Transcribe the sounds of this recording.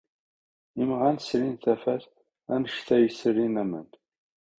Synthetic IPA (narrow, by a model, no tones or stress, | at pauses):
imʁænsɾinθæfæθ | ænəʃt̪æjəsɾinæmə̰n